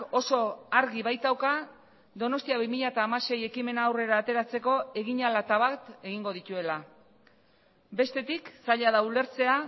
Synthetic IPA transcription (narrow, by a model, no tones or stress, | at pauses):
o̞so̞aɾɣiβajt̪awka | d̪o̞no̞st̪iaβimiʎaet̪aːmase̞je̞kime̞naːwre̞ɾaːt̪e̞ɾat͡se̞ko̞e̞ɣiɲalat̪aβat̪e̞ɣiŋɡo̞ð̞it̪ue̞la | be̞st̪e̞t̪iksaʎaðaule̞ɾt͡se̞a